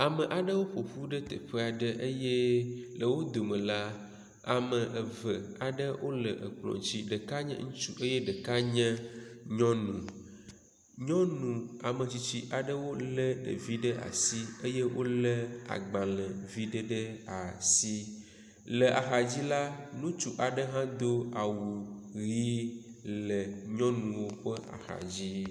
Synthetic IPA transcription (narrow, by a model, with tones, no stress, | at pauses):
a˨mə̃˨ʔa˨ɖə˦wo˦ɸo˨ɸu˦ɖə˦t̪ə˨ɸə˦a˨ɖə˦ʔə˦je˦lə˨wo˦d̪o˨mə̃˨la˦ | a˨mə˨ʔə˨və˨a˨ɖə˦wʔo˦lə̰˨ʔə̰˨k͡plɔ̰˨t͡ɕi˦ɖə˨ka˦ɲə̰̃˦ŋũ˦t͡ʃu˦ʔe˦jɛ˦ɖə˨ka˦ɲɛ̃˦ɲɔ̃˦nũ˨ | ɲɔ̃˦nũ˨a˨mə˨t͡ɕi˨t͡ɕi˦ʔa˨ɖə˦wo˦lɛ˦ɖə̰˨vi˦ɖə˦ʔa̰˨si˦e˦jɛ˦wo˦lɛ˦a̰˨ɡ͡bã˨lɛ̃˨vi˦ɖə˦ɖə˦a˨si˦ | lə˨ʔa˨xa˨d͡ʑi˦la˦nũ˦t͡ʃu˦ʔa˨ɖə˦ɦã˦d̪o˦a˨wu˨ɣi˦lə˨ɲɔ̃˦nũ˨wo˦ɸə˦ʔa̰˨xa̰˨d͡ʑi˦